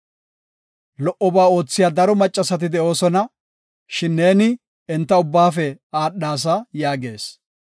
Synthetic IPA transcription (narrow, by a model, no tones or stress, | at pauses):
lɔʔɔbaːo̞ːt͡sːɪjaːd̪ɐɾɔmɐt͡ʃʼːɐsɐt̪ɪd̪ɛʔo̞ːsɔnɐ | ʃɪnːe̞ːnɪ | ɛnt̪ːɐʊbːaːfɛaːɗːaːs̬ɐjaːɡe̞̰ːs